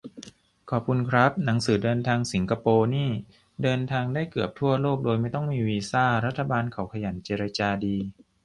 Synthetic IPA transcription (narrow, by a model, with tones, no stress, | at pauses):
kʰɔː˨˩p̚kʰu˧nkʰɾa˦˥p̚na˩˦ŋsɯː˩˦dɤː˧nt̪ʰaː˧ŋsi˩˦ŋkʰa˧poː˧niː˥˩ | dɤː˧nt̪ʰaː˧ŋdaː˥˩jkɯ˨˩əp̚t̪ʰu˥˩ɐloː˥˩k̚doː˧jma˥˩jt̪ɔ˥˩ŋmiː˧wiː˧saː˥˩ɾa˦˥t̪ʰːa˧baː˧nkʰa˩˦wkʰa˧ja˩˦nt͡ɕeː˧ɾa˧t͡ɕaː˧diː˧